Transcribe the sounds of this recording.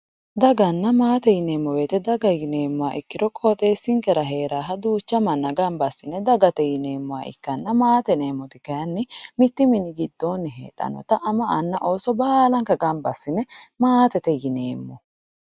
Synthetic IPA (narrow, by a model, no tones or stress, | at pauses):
d̪ɐɡɐnːɐmaːt̪ɛjɪneːmːɔweːt̪ɛd̪ɐɡɐjɪneːmːʊaːʔɪkːɪɾɔkʼot̪ʼeːsːɪŋkɛɾɐɦe̞ːɾaːɦɐd̪uːt͡ʃːɐmɐnːɐɡɐmbɐsːɪnɛd̪ɐɡɐt̪ɛjɪne̞ːmːʊa̰ʔɪ̰kːɐnːɐmaːt̪ɛneːmːɔt̪ɪkɐjɐnːɪmɪt̪ːɪmɪnɪɡɪd̪ːoːnːɪɦḛːᶑɐ̰nɔ̰t̪ɐʔɐmɐʔɐnːɐʔoːsɔbaːlɐŋkɐɡɐmbɐsːɪnɛmaːt̪ɛt̪ɛjɪneːmːɔ